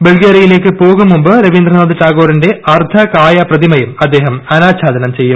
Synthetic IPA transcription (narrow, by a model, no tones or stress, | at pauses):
beɭɡeɾijile̞ːkːɨpoːɣumːumbɨɾɐʋind̪rɐnoːðɨʈaːɣoːɾinde̞ɐrt̪ʰɐkaːjɐprɐðimɐjumɐd̪ːe̞ːɦɐmɐnaːt͡ɕʰaːd̪ɐnɐmt͡ɕe̞jːum